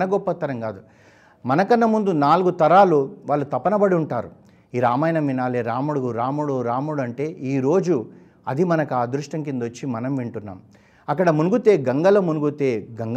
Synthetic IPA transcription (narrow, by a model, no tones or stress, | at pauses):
nɐɡɔpːɐt̪ːɐɾɐŋɡaːd̪u | mɐnɐkɐnːɐmund̪unaːluɡut̪ɐɾaːluʋaːɭːut̪ɐpːɐnɐbɐɽiuɳʈaːɾu | iːɾaːmɐːjɐnɐmʋinaːleːɾaːmuɽuɡuɾaːmuɽuɾaːmuɽɐɳʈe̞ːʔiːɾo̞ːd͡ʒu | ɐd̪imɐnɐkuaːd̪ɾuʂʈɐŋk̬ind̪ot͡ʃːimɐnɐmʋiɳʈunːa̰ːm | ɐkːɐɽɐmunuɡut̪e̞ːɡɐŋɡɐlɐmunuɡut̪eːɡɐŋɡ